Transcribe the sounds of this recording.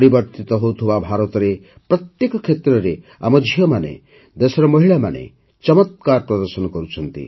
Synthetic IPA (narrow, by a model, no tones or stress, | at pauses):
ɾibɔɾt̪it̪ɔɦowt̪ʰibabʱaɾɔt̪ɔɾe | pɾɔt̪jekɔkʰet̪ɾɔɾe | a̰mɔd͡ʒʱiɦɔmanḛ | d̪esɔɾɔmɔɦiɭama̰nḛ | t͡ʃɔmɔt̪̚kaɾpɾɔd̪ɔɾsɔnɔkɔɾut͡ʃʰɔnt̪ḭ